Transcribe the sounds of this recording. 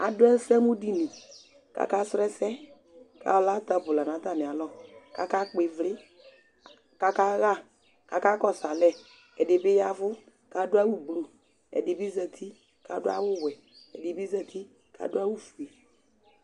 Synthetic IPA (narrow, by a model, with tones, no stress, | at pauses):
a̰˨dʊ˦ɛ˦n̩˦sɛ˦mu˦di˦nĩ˨ | ka̰˨ka˦sɾɛ˦sɛ˦ | ka̰˨wla˦ta˨bʊ˨la˨nã˨˦ta˦˨nɪ˨a˨lɔ˦˨ka̰˨ka˦k͡pe˨vlɪ˦ | ka˨ka˦ɣa˦ | ka˨ka˦kɔ˨sa˨lɛ˦ | ɛ˨dɪ˨bɪ˦ja˦vʊ˦ | ka˨˦dʊ˦a˦wu˦blu˨ | ɛ̰˨dɪ˨bi˦zɛ˨tʰi˦ | ka̰˨˦dʊ˦a˦wʊ˦˨wɛ˨ | ɛ̰˨di˨bi˦zɛ˨tʰi˦ | ka̰˨dʊ˦a˦wu˦fu˨e˨